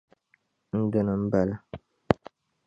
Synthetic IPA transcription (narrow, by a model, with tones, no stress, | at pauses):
n̩˦də˦nə˨m̩˦ba˨lə˦